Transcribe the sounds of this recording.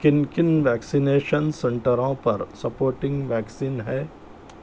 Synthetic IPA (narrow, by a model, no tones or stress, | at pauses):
kɪnkɪnʋɛːksineːʃənsɐ̃ɳʈəɾõpɐɾsɐpoːɾʈɪ̃ŋɡʋɛːksiːnɦɛː